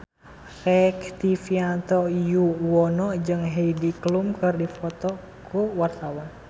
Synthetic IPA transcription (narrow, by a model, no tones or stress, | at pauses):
rɛkt̪ifiant̪ɔjuwɔnɔd͡ʒɨŋɦɛidiklumkɨrdifɔt̪ɔ | kuwart̪awɔn